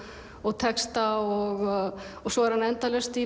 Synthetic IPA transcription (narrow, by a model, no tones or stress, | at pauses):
ɔɣt̪ʰɛkst̪aɔɣɔɣsɔɛɾ̥hanɛnt̪alɛst̪i